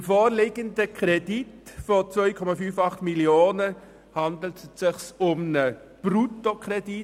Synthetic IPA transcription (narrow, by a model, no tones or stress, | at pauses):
ɪmfoːɾlɪɡəndəkʰɾɛditfot͡sʋœʏkʰɔmɑfyːfɑχtmiljoːnə | hɑndl̩tsɪχsʊmnə | b̥rutokʰʁɛdi